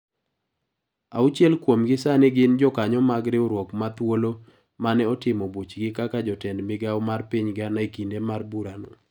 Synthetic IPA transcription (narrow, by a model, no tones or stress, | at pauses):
a̰ʊt͡ʃjɛlkwomɡɪsanɪɡɪnd͡ʒɔkaɲɔmaɡɾɪʊɾwɔkmat̪wolo | manɛɔtɪmɔbot͡ʃɡɪkakad͡ʒɔtɛndmɪɡaʊmarpiɲɡɪanaikindemarbuɾanɔ̰